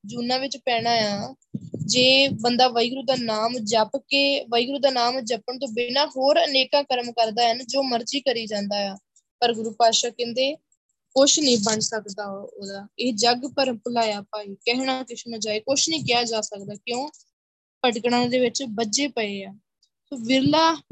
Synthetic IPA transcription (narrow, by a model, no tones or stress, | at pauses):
d͡ʒuːnãːʋɪt͡ʃpɛːɽ̃aːjaː | d͡ʒeːbənd̪aːʋəiːɡɾuːd̪aːnaːmd͡ʒəpkeːʋəiːɡɾuːd̪aːnaːmd͡ʒəpəɳt̪̬õːbenãːɦoːɾəneːkãːkəɾmkəɾd̪aːɦənd͡ʒoːməɾd͡ʒiːkəɾiːd͡ʒãːnd̪aːjaː | pəɾɡʊɾuːpaːʃaːkɛ̃nd̪eː | kʊʃʰnĩːbənsəkd̪aːd̪aːɪːd͡ʒəɡpəɾpəlaːjaːpaːiːkɛɦɽ̃aːkɪʃʰmə̃d͡ʒaːeːkʊʃʰnĩːkɪjaːd͡ʒaːsəkd̪aːkjõː | pəʈkɽãːd̪eːʋɪt͡ʃbəd͡ʒeːpəeːaː | soːʋɪɾlaː